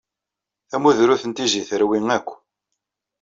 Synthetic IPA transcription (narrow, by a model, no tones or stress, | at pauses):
θæmuðɾuθənt̪iziθəɾwiŋækʷː